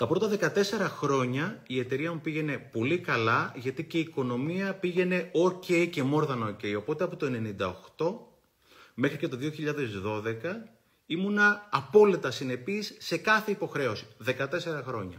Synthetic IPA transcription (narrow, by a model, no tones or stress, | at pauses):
t̪ɐpɾo̞t̪ɐðe̞kɐt̪e̞se̞ɾɐxɾo̞ɲɐie̞t̪e̞ɾiɐmupiʝe̞ne̞po̞likɐlɐʝɐt̪ice̞iːko̞no̞miɐpiʝe̞ne̞oce̞ice̞mo̞ɾðɐnɐoce̞jo̞po̞t̪e̞ɐpot̪o̞e̞ne̞nind̪ɐo̞xt̪o̞ | me̞xɾice̞t̪o̞ðioçiʎɐðe̞zðo̞ðe̞kɐ | imunɐːpo̞lit̪ɐsine̞pisːe̞kɐθe̞ipo̞xɾe̞o̞si̥ðe̞kɐt̪e̞se̞ɾɐxɾo̞ɲɐ